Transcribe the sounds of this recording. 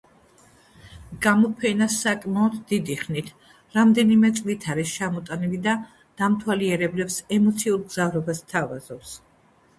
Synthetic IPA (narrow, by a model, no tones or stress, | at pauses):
ɡ̥amɔpʰɛnasakʼmaɔd̪d̪id̪iχnit̪ʰ | ɾamd̪ɛnimɛt̪sʼlit̪ʰaɾiʃt͡ʃʰamɔt̪ʼanilid̪a | d̪̥amt̪ʰwaliɛɾɛblɛpsɛmɔt̪sʰiulˠɡzavɾɔbast̪ʰavaz̥ɔps